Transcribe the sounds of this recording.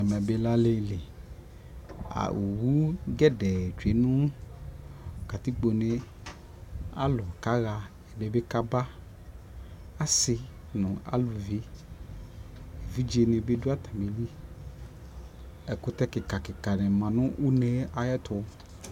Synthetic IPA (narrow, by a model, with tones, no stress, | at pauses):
a˨mɛ̃˨be˨la˦le˨le˨ | a̰˨wu˨wu˦ɡɛ˦dɛ˨d͡ʒe˨nũ˦˨ | ka˨t̪i˦k͡po˨nẽ˦ | a̰˦lʊ˨ka˦ɣa˨ | ɛ˨be˦be˦ka˦ba˦ | a˦sɪ˨ | nʊ̃˨a̰˦lu˨vi˦ | e˨vi˦d͡ʒe˨nẽ˨be˦du˦a˦t̪ã˨be˨li˦ | ɛ˨kʊ˦t̪ɛ˦kɪ˨ka˨kɪ˨ka˨nɛ̃˨mã˨nʊ̃˦ʔu˦nẽ˦a˨jɛ˦t̪ʊ˨˦